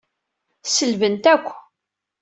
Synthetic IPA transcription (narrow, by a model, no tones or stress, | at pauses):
səlvənt̪ækʷː